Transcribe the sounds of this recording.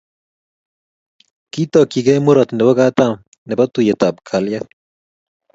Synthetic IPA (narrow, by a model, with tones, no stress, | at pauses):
ki˦t̪ɔ˨ki˨ɡɛ˦mu˦ɾɔ˨t̪nɛ˨bɔ˦ɡa˦t̪am | nɛ˨bɔ˦t̪u˨je˨t̪a˨p̚kʰa˨lja